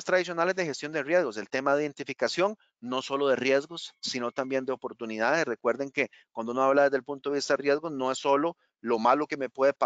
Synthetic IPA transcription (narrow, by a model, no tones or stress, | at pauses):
st̪ɾaðis̬jo̞nale̞zd̪exe̞st̪jo̞nd̪erje̞zɣo̞se̞lt̪e̞maðeiðe̞nt̪ifikasjo̞ŋ | no̞so̞loðe̞rje̞zɡosːino̞t̪ambje̞nd̪eopo̞ɾt̪uniðaðesre̞kwe̞ɾd̪e̞ŋke | kwand̪onoaβlaðe̞zd̪elpunt̪oeist̪aðerje̞zɡono̞e̞sːo̞lo | lo̞malo̞ke̞me̞pwe̞ðepa